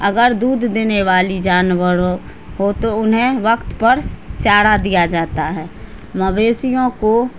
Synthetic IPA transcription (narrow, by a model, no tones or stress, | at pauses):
əɡəɾd̪uːd̪ʱd̪eːneʋaːlid͡ʒaːnʋəɾo | ɦot̪oʊnɦẽʋəkt̪pəɾt͡ʃaːɽad̪ijad͡ʒaːt̪aɦɛː | məbeːsijõko